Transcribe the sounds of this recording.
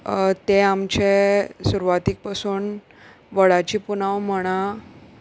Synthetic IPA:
t̪eamt͡ɕesuɾuʋat̪ik̚pasuːn | ʋəɭat͡ɕiːpunaʋm̤əɽ̃ã

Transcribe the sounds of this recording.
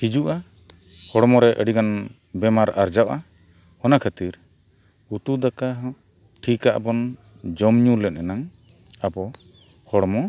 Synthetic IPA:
hid͡ʒuʔa | hɔɽɔmɔɾɛʔəɖiɡan | bɛmaɾa̰ɾd͡ʒaʔʔa | hɔnakʰət̪iɾ | ut̪ud̪aka | ʈʰikaʔbɔn | d͡ʒɔmɲulɛt̪̚ˀɛnaŋ | abɔ | hɔɽmɔ

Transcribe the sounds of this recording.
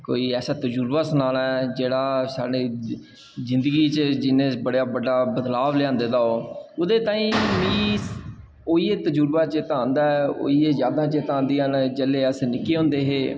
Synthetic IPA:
ko̰ːiːɛːsaːt̪əd͡ʒuːɾbaːsənaːlɛːd͡ʒeːɽaːsa̰ːɽiː | zɪ̃nd̪əɡiːt͡ʃd͡ʒɪnẽːbəɽjaːbəɖaːbəd̪laːʋlɪãːnd̪eːd̪aːoːʊd̪eːt̪ãːĩːmiː | oːiːeːt̪əd͡ʒuːɾbaːt͡ʃət̪ãːnd̪aːɛo̰ːiːeːzjaːd̪ãːt͡ʃet̪ãːnd̪iːənd͡ʒəleːəsnɪkːeːɦʊ̃ːnd̪eːɦeː

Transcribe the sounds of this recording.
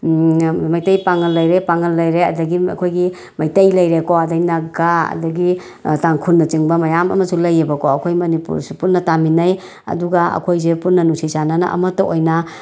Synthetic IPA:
majtɐjpaŋɐlːɐjɾepaŋɐlːɐjɾeɐ̰dɐɡiɐ̰kʰojɡi | mɐjtɐjlɐjɾekoɐdajnɐɡaɐ̰dɐɡi | taŋkʰunːɐt͡ʃɯŋbɐmɐjamɐ̰mɐsulɐjebɐkoɐkʰojmɐnipṵɾsupunːɐtaminɐj | ɐ̰duɡaɐ̰kʰojzepunːɐnusʰisanana̰ʔɐ̰mɐtɐʔojna

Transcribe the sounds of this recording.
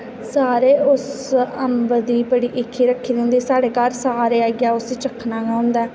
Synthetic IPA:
saːɾeːʊs | əmbəd̪iːbəɽiːʔɪkʰːiːɾəkʰːiːd̪ẽːnd̪iːsaːɽeːkəɾsaːɾeːaːɡjaːʊsiːt͡ʃəkʰːnãːɡãːɦʊ̃nd̪aː

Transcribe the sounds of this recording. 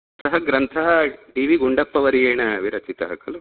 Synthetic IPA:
sɐɦɐɡɾɐnt̪ʰɐɦɐɖiːʋiɡuɳɖɐpːɐʋɐɾijeːɳɐʋiɾɐt͡ʃit̪ɐɦɐkɐlu

